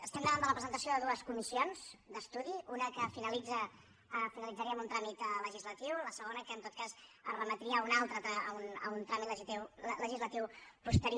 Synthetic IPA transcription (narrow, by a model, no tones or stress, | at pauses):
əst̪ɛmd̪əβand̪ələpɾəzənt̪əsioðəðuəskumisionz̥d̪əst̪uðiunəkəfinəlid͡zə | finəlid͡zəɾiəmunt̪ɾamit̪ləʒizlət̪iwləsəɣonəkənt̪ot̪̚kazərəmət̪ɾiəunalˠt̪ɾət̪ɾaəunəunt̪ɾamit̪ləʒit̪iwləʒizlət̪iwpust̪əɾi